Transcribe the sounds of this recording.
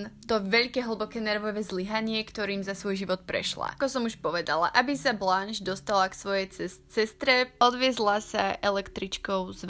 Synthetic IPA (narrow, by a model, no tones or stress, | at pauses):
nt̪ɔʋɛʎkɛːɦl̩ˠbɔkɛːnɛɾʋɔʋɛzliɦaɲɪɛkt̪ɔɾiːmzasʋɔjʒiʋɔt̪̚pɾɛ̰ʃla̰kɔsɔmuʃpɔʋɛd̪ala̰ʔabisablanʒd̪ɔst̪alaksʋɔjɛjɛsɛst̪ɾɛɔd̪ʋɪɛzlasa̰ʔɛlɛkt̪ɾit͡ʃkɔʊzʋ